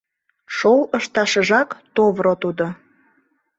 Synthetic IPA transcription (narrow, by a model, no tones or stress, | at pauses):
ʃowəʃt̪ɑʃəʒɑkt̪oβɾot̪ud̪o